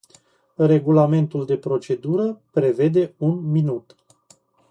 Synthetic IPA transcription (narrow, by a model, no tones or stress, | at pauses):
re̞ɡulame̞nt̪uld̪e̞pɾo̞t͡ʃe̞d̪uɾəpɾe̞ve̞d̪e̞unminut̪